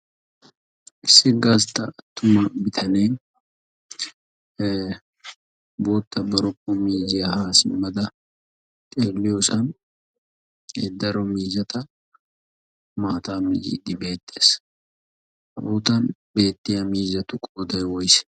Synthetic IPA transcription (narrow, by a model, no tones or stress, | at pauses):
ʔɪsːɪɡast̪ɐɐt̪ːʊmɐbɪt̪ʰɐneː | boːt̪ːɐbɐɾʊkːomiːzɪjɐhaːsɪmɐd̪ɐ | t̪ʼeːlːɪjosɐn | ḛd̪ːɐɾɔmiːzɐt̪ɐ | maːt̪aːmɪ̰d͡ʒḭːd̪ɪbe̞ːt̪ʼːeːs | ʔɐbuːt̪ɐnbe̞ːt̪ʼːɪjɐmiːzɐt̪ʊkʼoːd̪ɐjwɔjs